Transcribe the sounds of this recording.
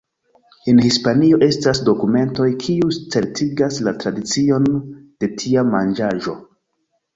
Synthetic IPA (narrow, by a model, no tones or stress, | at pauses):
enhispanio̞ʔe̞stasdo̞kume̞nto̞jkʰiut͡se̞ɾtʰiɡaslatɾadit͡sio̞nd̥e̞tʰiamand͡ʒaʒo̞̰